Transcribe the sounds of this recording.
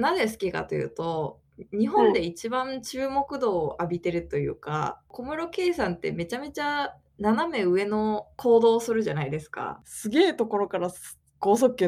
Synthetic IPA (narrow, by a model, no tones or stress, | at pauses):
naze̞s̬ɨ̥kʲika̰t̪o̞jɯ̟̰ːt̪o̞ | ɲ̟iɦõ̞nd̪e̞it͡ɕibãɲt͡ɕɨːmo̞kɯ̟d̪o̞ːʔabʲit̪e̞ɾɯ̟t̪o̞jɯ̟̰ːka̰ko̞mɯ̟ɾo̞ke̞ːsãnt̪e̞̰me̞t͡ɕame̞t͡ɕa | naname̞ɯ̟e̞no̞kʰo̞ːd̪o̞ːsɨɾɯ̟ʑanaid̪e̞sɨ̥ka̰sɨɡe̞ːt̪o̞ko̞ɾo̞kaɾa | ɡ̥o̞ːsokːẽ